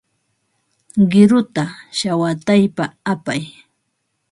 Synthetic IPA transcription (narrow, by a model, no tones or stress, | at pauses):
ɢɪɾʊt̪aʃawat̪ajpaapaj